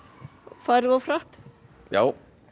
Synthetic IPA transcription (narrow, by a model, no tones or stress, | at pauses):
faːɾðawfɾaht̪ | jaːw